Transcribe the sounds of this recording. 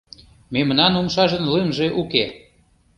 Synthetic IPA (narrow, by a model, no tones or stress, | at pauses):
memnɑnumʃɑʒənlemʒeʔuke